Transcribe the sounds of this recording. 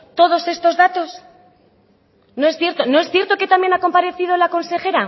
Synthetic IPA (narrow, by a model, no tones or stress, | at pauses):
t̪o̞ðo̞se̞st̪ozðat̪o̞s | no̞e̞sθje̞ɾt̪o̞no̞e̞sθje̞ɾt̪o̞ke̞t̪amje̞nako̞mpaɾe̞θiðo̞lako̞nse̞xe̞ɾa